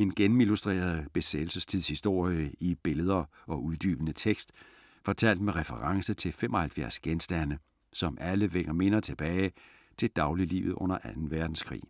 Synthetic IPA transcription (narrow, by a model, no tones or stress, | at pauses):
e̝nɡ̥enm̩ilusd̥ʁḛːɐð̞̩ˠb̥e̝sed̥l̩səst͡sʰið̰ˠshisd̥o̝ɐ̰jəib̥e̝ləð̞ˠɐ | ɒ̽uðˠd̥y̰ːb̥ənət͡sʰeɡ̥sd̥ | fɒ̽t͡sʰæl̰d̥meʁɛfəʁɑ̈ŋsət͡sʰe̝fem̰ʔɒ̽hælfjæɐsɡ̥ensd̥ænə | sɒ̽mʔæləʋeɡɐme̝nɐt͡sʰe̝b̥ɛːɪ | t͡sʰe̝ld̥ɑ̈ʊlilḭːʊð̩ˠʔɔ̽n̰ɐʔænn̩ʋæɐd̥n̩skʰʁḭː